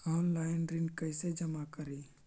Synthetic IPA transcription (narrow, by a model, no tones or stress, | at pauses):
ɔːnlaːɪnɾɪnkɐɪsed͡ʒɐmakəɾiː